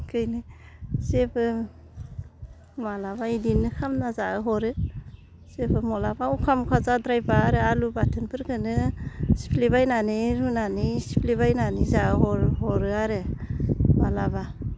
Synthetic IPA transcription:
kɯjnisepʰɯ | malabaidinɯkʰamnazaɯɦɔɾɯ | sebʰɯmɔlabaukʰamkʰazadɾajbaːɾɯalubatʰɯnpʰɯɾkʰɯnɯsi̥pʰlibajnaniɾunanisi̥pʰlibajnanizaɯɦɔɾɦɔɾɯaɾɯ | malaba

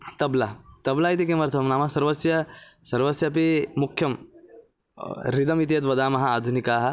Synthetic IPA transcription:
t̪ɐblat̪ɐblaːit̪ikemɐɾt̪ʰɐmnaːmɐsɐɾʋɐsjɐsɐɾʋɐsjɐpimukʰjɐm | ɾid̪ɐmit̪ijɐt̪ʋɐd̪aːmɐɦɐaːd̪ʱunikaːɦɐ̆

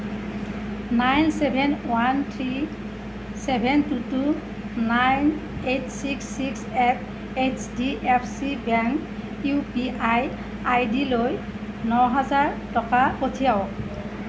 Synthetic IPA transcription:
najnsɛbʱɛnwantʰɹi | sɛbʱɛntutu | najnetsiksːiksɛp̚ʰ | et͡ʃdiʔɛpʰsibɛŋk | jupiʔaj | ajdiloj | nɔɦazaɹtɔkapotʰijaw

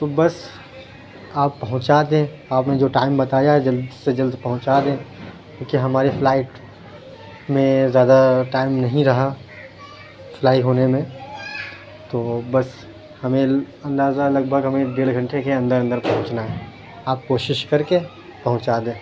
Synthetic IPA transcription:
t̪obɐs | aːpːɐɦʊ̃t͡ʃaːd̪ẽ | aːpnẽd͡ʒoːʈaːɪmbɐt̪aːjaɦɛd͡ʒɐld̪sed͡ʒɐld̪pɐɦʊ̃t͡ʃaːd̪ẽː | kõːkiɦɐmaːɾefʰlaːɪʈ | mẽzjaːd̪aʈaːɪmnɐɦĩɾɐɦa | flaːɪʈɦoːnemẽ | t̪oːbɐs | hɐmẽ | ɐ̃nd̪aːzalɐɡ̚bʱəɡɦɐmẽɖeːɽɡʱɐ̃ɳʈekeɐ̃nd̪əɾɐ̃nd̪əɾpɐɦʊ̃t͡ʃnaɦɛː | aːp̚koːʃɪʃkɐɾke | pɐɦʊ̃t͡ʃaːd̪ẽː

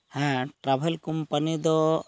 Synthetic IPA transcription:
hɛ̃ʈɾabʱelkumpanid̪ɔ

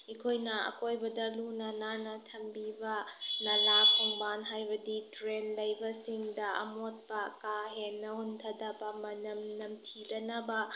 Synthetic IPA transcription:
ikʰojnɐɐ̰kojbɐdɐlunɐnanɐtʰɐmbibɐnɐlapʰɔŋbanɦajbɐditɾenlɐjbɐsiŋdɐʔɐ̰mot̚bɐkaɦenːɐhuntʰɐdɐbɐmɐnɐmnɐmtʰidɐnɐbɐ

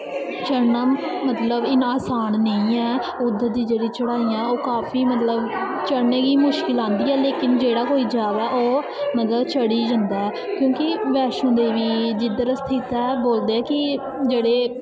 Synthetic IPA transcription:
t͡ʃəɾnaːmət̪ləbɪnaːsaːnnəĩːɛː | ʊd̪əd̪iːd͡ʒeːɽiːt͡ʃəɽaːiːãɛoːkaːpʰiːmət̪ləb | t͡ʃəɾneːɡiːmʊʃkɪlãːnd̪iːɛːleːkɪnd͡ʒeːɽaːkoːiːd͡ʒaːʋɛːʔoː | mət̪ləbt͡ʃʰəɽiːd͡ʒə̃nd̪aːɛː | kjõːkɪʋɛːʃõːd̪eːʋiːd͡ʒɪd̪əɾst̪ʰɪt̪ɛːboːld̪eːɛːkɪ | d͡ʒeːɽeː

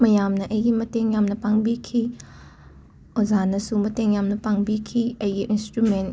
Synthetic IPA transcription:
mɐjamnɐʔɐjɡimɐteŋjamnɐpaŋbikʰi | ozanɐsumɐteŋjamnɐpaŋbikʰiɐjɡiʔinstɾumen

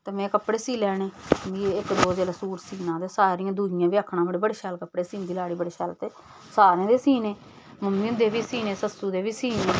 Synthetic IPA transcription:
t̪eːmɛ̃ːkəpɽeːsiːlɛːneːbiːeɪkd̪oːd͡ʒeːlaːsuːɾsiːnãːd̪eːsaːɾiːãːd̪ʱuːɪjãːbiːəːkʰnãːbəɽiːbəɽeːʃɛːlkəpːɽeːsiːnd̪iːlaːɽiːbəɽeːʃaːlt̪eː | saːɾẽːd̪eːsiːneː | məmiːnd̪eːʋiːsiːneːsəsuːd̪eːʋiːsiːnẽː

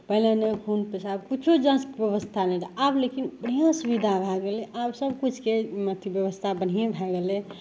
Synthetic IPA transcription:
pəɦlenekʰunpesabkit͡ʃʰud͡ʒãsbjəβəst̪ʰanɛɾaablekinbəɽ̤̃ijãsubid̪ʱabʱɛɡeleʔabsəbkut͡ʃʰkemət̪ʰjibjəʋəst̪ʰabənɦijebʱɛɡele

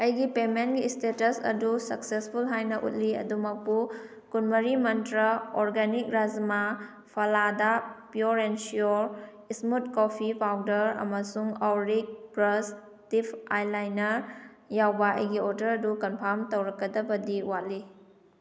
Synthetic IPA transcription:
ɐjɡipemenɡistetɐsɐ̰dusɐksespʰulɦajnɐʔṵt̚liɐ̰dumɐk̚pu | kunmɐɾimɐntɾɐoɾɡanik̚ɾazma | pʰɐladapjuɾensioɾ | ismut̚kopʰipawdɐɾɐ̰mɐsuŋawɾik̚pɾɐs | tipʰajlajnɐɾ | jawbɐʔɐ̰jɡioɾdɐɾɐdukɐnpʰaɾmtowɾɐkːɐdɐbɐdiwali

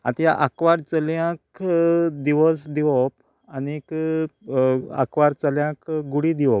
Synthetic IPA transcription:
ã̰t̪ijaʔakʋaɾt͡səljãk | d̪iʋəsd̪iʋɔp̚ | anik | a̰kʋaɾt͡səljãkɡuɽid̪iʋɔp̚

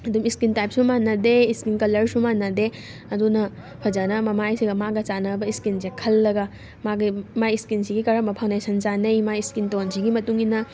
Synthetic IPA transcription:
ɐdumiskintajp̚sumanːɐdeiskinkɐlɐɾsumanːɐde | ɐdunɐ | pʰɐd͡ʒanɐmɐmajsiɡɐmaɡɐt͡ʃanɐbɐiskinsekʰɐlːɐɡɐ | maɡimajiskinsiɡikɐɾɐmbɐpʰawndajsɐnt͡ʃanɐjmajiskintonsiɡimɐtuŋinɐ

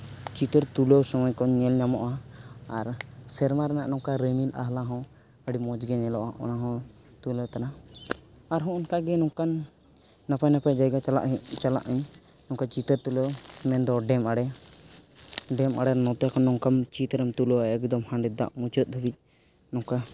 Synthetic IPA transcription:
t͡ʃit̪əɾt̪uləwsɔmɔjkɔɲɲɛlɲamɔʔaaɾsɛɾmaɾɛnaʔnɔŋkaɾəmilʔa̰ɦlaɦɔ̃ | əɽimɔd͡ʒɡɛɲɛlɔʔaʔɔ̰naɦɔ̃ | t̪uləwt̪ana | aɾɦɔ̃ʔɔnkaɡɛnɔŋkanː | apajnapajd͡ʒajɡala̰ʔt͡ʃala̰ʔəɲ | nɔŋkat͡ʃit̪əɾt̪uləwmɛnd̪ɔɖɛmaɽɛ | ɖɛmʔa̰ɽɛnɔt̪jakɔnɔŋkamt͡ʃit̪ɾəmt̪uləwaɛɡd̪ɔmhãɳɖɛd̪a̰ʔmut͡ʃət̪̚d̪ʱəbic̚ | nɔ̃ŋka

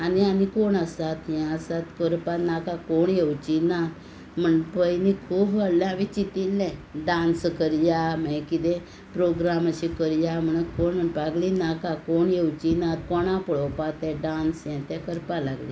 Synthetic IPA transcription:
anianikoɳəsat̪jɛ̃əsat̪kəɾpanakakoɳjewt͡ɕinat̪ | m̤əɳpəjnikʰuːbʋəɽlãʋit͡ɕit̪ilːɛ̃ɖãnskəɾjaməkid̪ɛ̃ | pɾoɡɾaməɕĩkəɾjam̤əɳəkoɳm̤əɳpaɡlinakakoɳjewt͡ɕinãt̪̚kɔɳãpəɭɔwpat̪ɛ̃ɖãnsjɛ̃t̪ɛ̃kəɾpalaɡli

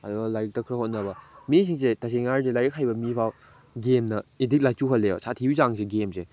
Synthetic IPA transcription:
ɐduɡɐlajɾik̚tɐkʰɾɐhot̚nɐbɐmis̬iŋsetaseŋaɾdilajɾik̚hajbɐmipʰaw | ɡemnɐidik̚lajt͡ʃuɦɐlːeo̰sʰatʰibizaŋseɡemse

